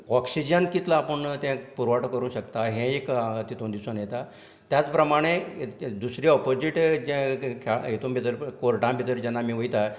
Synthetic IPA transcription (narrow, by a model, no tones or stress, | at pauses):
ɔksid͡ʑənkit̪laːpəɳt̪ɛ̃puɾʋaʈkəɾũːɕəkt̪aɦẽekt̪it̪õnd̪isonjet̪a | t̪jat͡spɾəmaɽ̃ed̪usɾiɔpod͡ziʈd͡ʑkʰaet̪õmbʱit̪əɾkoɾʈãmbʱit̪əɾd͡ʑɛnːamiːʋəjt̪a